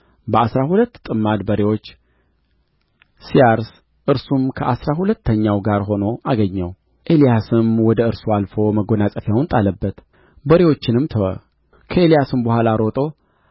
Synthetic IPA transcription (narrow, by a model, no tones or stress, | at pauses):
bəasɾahulət̪ːt̪ʼɨmːad̪bəɾewo̞t͡ʃː | sijaɾs | ʔɨɾsumkʰəʔasɾaɦulət̪ːəɲːawɡaɾɦo̞no̞ʔaɡəɲːəw | ʔe̞lijasɨmwɔd̪əɨɾsualfo̞məɡonasʼəfjawnt̪ʼaləbːət̪ | bəɾewo̞t͡ʃːɪnɨmt̪ʰəwə̰ | kʰəe̞lijasɨmbəhalaɾo̞t̪ʼo